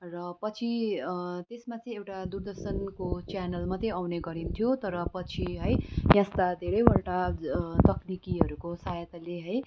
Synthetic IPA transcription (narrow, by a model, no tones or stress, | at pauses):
rʌpʌt͡sʰi | t̪esmat͡sʌĩewʈad̪urd̪ʌrsʌnkot͡sjanʌlmat̪ʌ̃awneɡʌɾimt̪ʰijot̪ʌɾʌpʌt͡sʰiɦʌjjãst̪ad̪ʱeɾʌjbʌlʈat̪ʌknikiɦʌɾukosajʌt̪leɦʌj